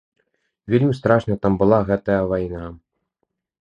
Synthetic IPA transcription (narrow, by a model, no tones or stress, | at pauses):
vʲelʲmʲist̪ɾaʂnɐt̪ambɨlˠaɣɛt̪ɐjɐvajna